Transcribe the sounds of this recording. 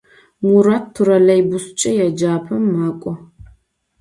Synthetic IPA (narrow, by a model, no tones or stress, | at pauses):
muɾattʰːuɾɐlɐjbʊst͡ʃʼɐjɛd͡ʒaːpʰɐmːaːkʷʼɔ